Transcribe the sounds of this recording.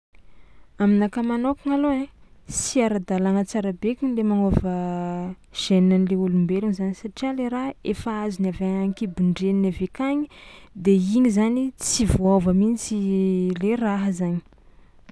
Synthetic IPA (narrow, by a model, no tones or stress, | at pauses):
aminakamanokaŋaloet͡ssiaɾad̪alaŋət͡saɾabekinilemaŋovə | ʒ̥ennanleulumbeluŋizanisaʈ͡ʂialeɾaefaazinaveaŋkibuɳɖ͡ʐeninavekaɲid̪eiɲizanit͡sivoavəmint͡sileraɦəzaɲi̥